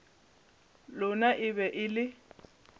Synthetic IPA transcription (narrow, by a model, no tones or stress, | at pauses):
lʊnaʔɪβɛʔɪlɪ